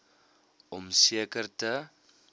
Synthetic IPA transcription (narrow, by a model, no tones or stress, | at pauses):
ɔmsiəkərtə